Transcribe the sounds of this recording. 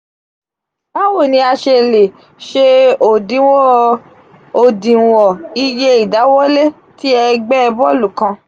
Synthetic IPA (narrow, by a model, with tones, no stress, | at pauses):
ba˦wo˦˨nĩ˧˦a˧ʃe˧˨le˨ | ʃe˧o˨dĩ˨˦wɔ˦ | o˨dĩ˨wɔ˨i˧je˧i˨da˨˦wɔ˦le˦ | ti˦ɛ˧ɡ͡bɛ˦ɛ˧bɔ˦lu˨kã˧